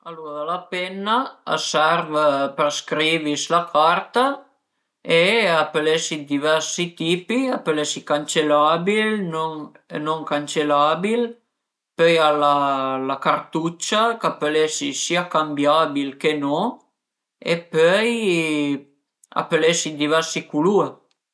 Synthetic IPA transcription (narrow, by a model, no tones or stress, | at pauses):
aluːɾadalapɛnːa̰ːsɛɾvəpəɾskɾiːvislakʰart̪a | eapəlesid̪ivɛrsit̪iːpiapəlesikant͡ʃelabilnoŋ | noŋkant͡ʃelabil | pøjalalakart̪ut͡ʃakapəleʃisiːakambjabilkenɔŋ | ḛpœj | a̰pəlesid̪ivɛrsikulue